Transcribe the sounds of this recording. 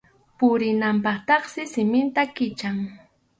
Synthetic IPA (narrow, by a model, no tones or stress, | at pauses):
pʊɾɪnampɑχt̪ɑχsɪsɪmɪnt̪akɪt͡ʃaŋ